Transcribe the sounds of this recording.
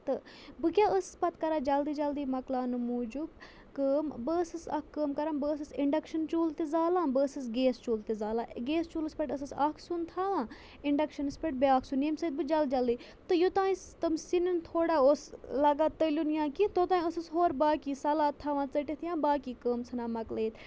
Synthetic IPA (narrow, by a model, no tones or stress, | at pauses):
t̪ɨbɨkʲjaːʔəsɨspɐt̪kɐɾaːd͡ʒɐld̪iːd͡ʒɐld̪iːmɐklaːnɨmuːd͡ʒub | kəːmbɨsɨsɐ̰kʰːəːmkɐɾãːnbɨːsɨsiɳɖɐkʃɐnt͡ʃuːlt̪izaːlãːbɨːsɨsɡeːst͡ʃuːlt̪izaːlaːɡeːst͡ʃuːlɨspʲɐʈəsɨsɐːkʰsunt̪ʰaːʋãː | iɳɖɐkʃɐnɨspʲeʈ̚beaːkʰsuneːmsəd̪̚bɨd͡ʒɐld͡ʒɐld̪iː | t̪ɨjot̪ãːĩt̪ɐmsinint̪ʰoːɽaːoːslɐɡaːt̪əlʲunjãːkit̪oːt̪ãːiəsɨsɦoːɾbaːkiːsɐlaːt̪ʰːaːʋãːt͡səʈit̪ʰjãːbaːkiːkəːmsʰɐnaːmɐkleːt̪